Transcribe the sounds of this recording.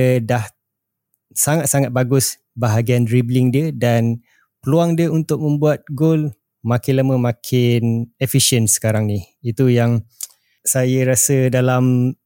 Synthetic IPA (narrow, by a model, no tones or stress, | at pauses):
dah | saŋat̪̚saŋat̪̚baɡʊs | baɦaɡianɾiblɪŋdiədan | pəluaŋdiəunt̪ʊk̚mə̃mbuat̪̚ɡol | makɪnlaməmãkʰɪnefiʃiənsə̥kaɾaŋniit̪ujaŋ | sajəɾasədalam